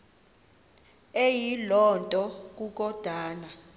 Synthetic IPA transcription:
ejilɔntʼɔk̬ʼuk̬ɔd̥ʱaːna

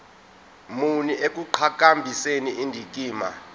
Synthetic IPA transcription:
muniʔek̬ʼuǃʰak̬ʼambʱiseniindʱik̬ʼiːma̰

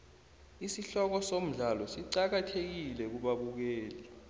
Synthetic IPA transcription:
isiɬɔk̬ɔsom̩ɮalɔsiǀak̬atʰek̬ilɛk̬uɓaɓuk̬ɛːlɛ

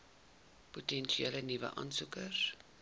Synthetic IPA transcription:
potɛnʃielənivə̰ʔɐ̰nsukər

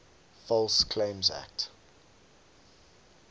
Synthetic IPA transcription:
fɔlskʰlẽɪ̃mzæ̰k̚t

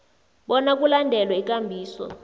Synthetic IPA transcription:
ɓɔnak̬ulandʱɛlwɛik̬ʼambʱiːsɔ̰

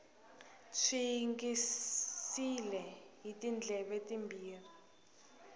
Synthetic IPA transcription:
t͡sʰiŋɡissilɛɦitʼind͡ɮʱɛɓetʼimbiːri

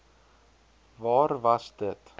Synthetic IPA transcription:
vɑːɾvasd̪ət̪

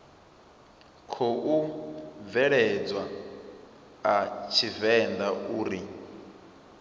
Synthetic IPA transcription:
kʰɔʔuvɛɺɛd͡zwa | at͡ʃʰivɛnd̪aʔuːɾi

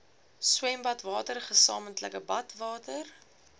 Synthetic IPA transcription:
swɛmbɐtvɑːtərχəsɑ̰ːməntləkəbɐtvɑːtər

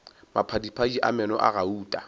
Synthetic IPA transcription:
mapʰadipʰad͡ʒiʔa̰mɛnɔʔa̰ɣauːtʼa

